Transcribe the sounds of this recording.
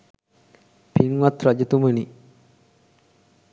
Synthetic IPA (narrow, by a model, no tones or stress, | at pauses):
piŋʋat̪ɾad͡ʒət̪uməni